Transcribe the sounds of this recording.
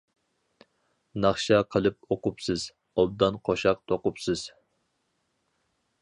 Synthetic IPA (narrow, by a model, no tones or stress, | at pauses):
nɑχʃɑqʰəlˠɨp̚oqʊpsɨz̥ | ɑb̚d̪ɑnqʰoʃɑq̚t̪ʰoqʊpsɨz̥